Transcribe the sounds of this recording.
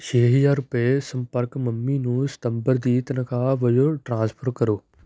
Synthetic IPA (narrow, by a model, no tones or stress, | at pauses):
ʃʰeːɦɪjaːɾʊpesɐ̃mpəɾkmɐmːinũːsɪ̥t̪ə̃mbəɾd̪iːt̪ɐnəkʰãːʋɐijoʈɾãːspʰəɾkɐɾoː